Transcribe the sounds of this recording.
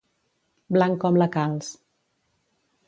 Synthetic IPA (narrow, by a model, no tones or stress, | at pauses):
blaŋkɔmləkalˠs